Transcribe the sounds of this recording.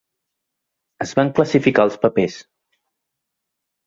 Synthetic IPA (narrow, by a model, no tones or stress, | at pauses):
əzβaŋkləsifikaəlˠspəpes